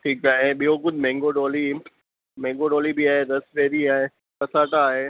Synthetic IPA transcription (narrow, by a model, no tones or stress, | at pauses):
ʈʰiːkaːɦẽɓijoɡʊd̪ʱmɛ̃ːŋɡoɖoːli | mɛ̃ːŋɡoːɖɔːlibiaːɦed̪ɐsʋeːɾiaːɦe | kɐsaːʈaːɦeː